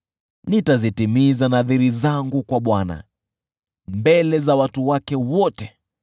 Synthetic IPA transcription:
nitazitimizanaθiɾizaŋɡukwaɓwana̰ | mbɛlɛzawatuwakɛwɔtɛ

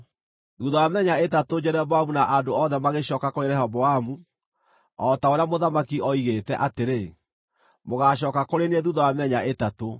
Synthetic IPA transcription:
ðuðawamɛɲaetatod͡ʑɛɾɛbɔamunaʔadoɔðɛmaɣeɕɔːkakoɾeɾɛɦɔbɔamu | ɔtaoɾeamoðamakiɔiɣetɛʔateɾe | moɣaɕɔːkakoɾenɛðuðɔwamɛɲaʔetato

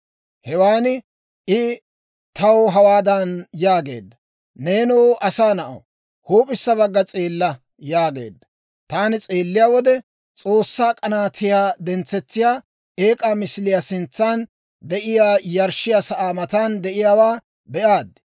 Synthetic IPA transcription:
hɛwaːnɪ | ʔɪ | t̪ɐwɦɐwaːd̪ɐnjaːɡe̞̰ːd̪ːɐ | neːnuːʔɐsaːnɐʔo̰ | huːpʼɪsːɐβɐɡːɐt͡sʼeːlːɐ | jaːɡe̞̰ːd̪ːɐ | t̪aːnɪt͡sʼeːlːɪjaːwɔd̪ɛ | t͡sʼo̞ːsːaːkʼɐnaːt̪ɪjaːd̪ɛnt͡sːɛt͡sːɪjaː | e̞ːkʼaːmɪslɪjasɪnt͡sːaːn | d̪ɛʔɪjaːjɐɾʃɪjasɐʔaːmɐt̪and̪ɛʔɪjaːwaː | bɛʔaːd̪̚

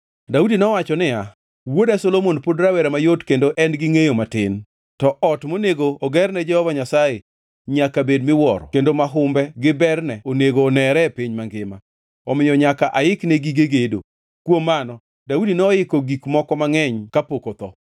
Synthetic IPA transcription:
daudinɔwat͡ʃɔnɪa | wodasolomonpodɾawɛɾɛmajotkendoʔɛnɡɪŋejomatɪn | tɔʔɔtmoneɡoːɡɛrnɛd͡ʒɛhɔvaɲasaje | ɲakabedmɪwɔɾɔ̰kendomaɦʊmbɛɡɪbɛrnɛoneɡoːnɛɾɛpiɲmaŋɡɪma̰ | ɔmɪjɔɲakaʔaɪknɛɡiɡeɡedo̰ | kwomːanɔ | daudinɔɪkoɡikmɔkɔmaŋɛɲkapokot̪ɔ

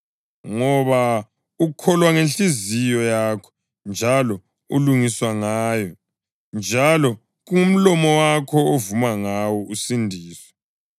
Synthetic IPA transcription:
ŋɔβa | ukʰɔlwaŋenɬizijɔjaːkʰɔ̥ | nd͡ʒʱalɔ | ṵluŋiswaŋaːjɔ | nd͡ʒʱalɔ | ɣuŋum̩lɔmɔwakʰɔovumaŋawɔusindʱiːswɛ̥

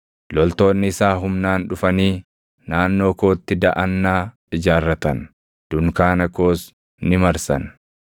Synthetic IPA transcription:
lɔlt̪o̞ːnːɪɪsaːɦʊmnaːnᶑʊfɐniː | naːnːo̞ːko̞ːt̪ːɪd̪ɐʔɐnːaː | ɪd͡ʒaːrːɐt̪ɐn | d̪̥ʊŋkaːnɐkoːs | nɪmɐɾsɐ̰n

